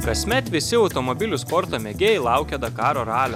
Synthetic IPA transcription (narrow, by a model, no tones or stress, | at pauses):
kɐsʲmʲɛt̪ʋʲɪsʲɪɐʊt̪ɔmɔbʲɪlʲʊspɔɾt̪oːmʲɛɡʲeːjɛɪlˠɑˑʊkʲɛd̪ɐkɑːɾoːɾɑːlʲoː